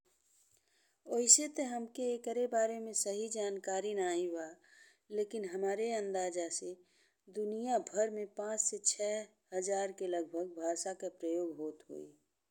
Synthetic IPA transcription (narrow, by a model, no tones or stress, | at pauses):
oːɪset̪eɦəmkeːkəɾebaːɾemẽsəɦid͡ʒaːnkaːɾinaːiaː | leːkɪnɦəmaːɾeə̃nd̪aːd͡ʒase | d̪ʊnijabʱəɾmẽpãːt͡ʃset͡ʃʰɛː | ɦəd͡ʒaːɾkeləɡ̚bʱəɡ̚bʱaːʃakapɾəjoːɡɦoːt̪ɦo̰ːḭ